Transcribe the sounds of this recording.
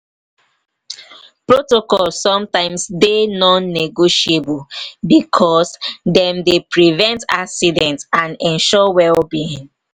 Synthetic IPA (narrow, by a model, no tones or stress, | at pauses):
pɹotokɔlssɔ̃mtãɪ̃msdenɔ̃nːeɡoʃiebulbikʰɔsdɛ̃mdepɹivɛ̃nta̰ksidɛ̃ntãnɛ̃nʃɔwɛlbiĩŋ